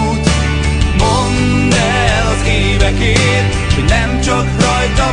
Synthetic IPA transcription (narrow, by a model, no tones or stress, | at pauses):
t̪ | mon | d̪ɛ | lɒzeːvɛkeːt | hodnɛmt͡ʃɒkrɒjt̪ɒ